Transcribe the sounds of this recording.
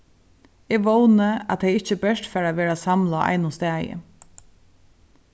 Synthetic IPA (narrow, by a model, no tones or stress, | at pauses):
ɛːɡʋownəa̰t̪ʰejɪçt͡ʃəbœʃt̪fæːɹaʋeːɹasamlaʔɑ̰ɪjnʊst̪æːjə̰